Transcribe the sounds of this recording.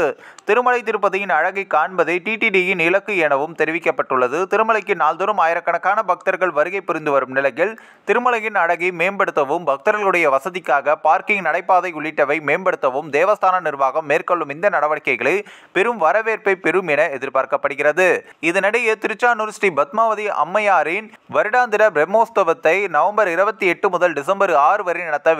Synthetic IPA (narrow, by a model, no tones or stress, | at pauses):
t̪ɪɾɯmɐlɐɪt̪̬ɪɾɯp̬ːɐðɐjɪnɐɻɐɣɐɪkaːɳbɐðɐɪʈiːʈiːʈijɪnɪlɐkːɯenɐʋɯmt̪ɛɾɪʋɪkːɐpːɐʈːɯɭːɐðɯt̪ɪɾɯmɐɭɐɪkːɯnaːld̪ɯɾɯmaːjɪɾɐkːɐɳɐkːaːnɐbɐk̚t̪ɐɾɣɐɭʋɐɾɯɣɐɪpːʊɾɪnd̪ɯʋɐɾɯmnɪlɐjɪɭ | t̪ɪɾɯmɐɭɐjɪnɐɻɐɣɐɪmeːnbɐɽɯt̪ːɐʋɯmbʱɐk̚t̪ɐɾɐlɭɯɽɐjɐʋɐsɐðɪkːaːɣɐpaːɾkɪŋnɐɽɐɪpːaːðɐɪʊɭːɪʈːɐʋɐɪmeːnbɐɽɯt̪ːɐʋɯmd̪eːʋɐst̪ʰaːnɐnɪɾʋaːɣɐmːeːrkɔɭːɯmɪnd̪ɐnɐɽɐʋɐɽɪkːɐɪɣɐɭɯpɛɾɯmʋɐɾɐʋeːɾpɐɪpɛɾɯmɪnɐɛðɪɾpaːɾkɐpːɐɽɯɣɪrɐðɯɪðɯnɐɽɐjɐt̪ɪɾɯt͡ʃːaːnɯɾsʈibɐt̪maːʋɐðiʔɐ̰mːɐjaːɾɪn | ʋɐɾɯɽaːnd̪ɪɾɐbɾɛmoːst̪ɐʋɐt̪ːɐɪnɐʋɐmbɐɾɪɾɐbɐt̪ːiɛʈːɯmʊðɐlɖɪs̬ɐmbɐɾaːɾɯʋɐɾɪnɪɳɐt̪ːɐ